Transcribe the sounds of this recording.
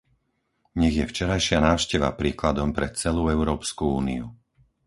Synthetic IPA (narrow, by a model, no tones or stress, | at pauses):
ɲɛɣjɛft͡ʃɛɾajʃɪanaːʊʃcɛʋa̰pɾiːklad̪ɔmpɾɛt͡sɛluːɛʊɾɔːpskuuːniu